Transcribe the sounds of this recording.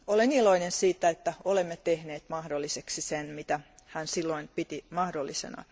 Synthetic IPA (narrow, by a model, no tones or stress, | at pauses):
oleniloinensiːt̪ːˑæet̪ːæolemːet̪ehneːt̪mɑhdolːiseksisenmit̪æhænsilːoinpit̪imɑhdolːisḛnɑ̰